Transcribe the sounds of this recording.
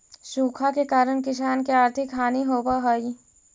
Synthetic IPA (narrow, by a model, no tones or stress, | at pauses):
ʃuːkʰakekaːɾəɽ̃kɪʃ̬aːnkeaːɾt̪ʰɪkɦaːniɦoːbaɦoːi